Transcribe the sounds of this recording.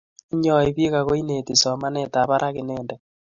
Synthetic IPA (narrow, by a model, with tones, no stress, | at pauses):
i˦ɲɔ˦˨e˦βi˦ɣa˨ɣo˦i˦ne˨ti˨sɔ˨ma˦ne˦ta˨βa˦ɾʔa˦ɣe˨neː˦˨ndɛ˨